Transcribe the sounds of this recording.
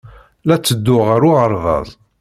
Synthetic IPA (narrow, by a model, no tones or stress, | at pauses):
læt͡sːəd̪ːʊʁəɾʊʁəɾˤvɑ̰ðˤ